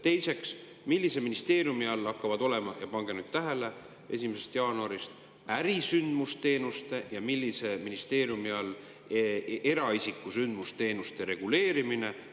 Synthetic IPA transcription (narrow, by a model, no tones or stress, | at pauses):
t̪e̞jse̞ks | milʲːise̞minist̪e̞ːɾjumiɑlːɑkːɑvɑd̪o̞le̞mɑjɑpɑŋɡ̥enud̪̥̚t̪ːæɦe̞le̞ | e̞̰s̬ʲimese̞st̪jɑːnuɑɾist̪ | æɾisynd̪must̪e̞ːnust̪e̞jɑmilːise̞minist̪e̞ːɾjumiɑlː | e̞ɾɑisikːˑusynd̪̥must̪e̞ːnust̪e̞ɾe̞ɡ̥ule̞ːɾimine̞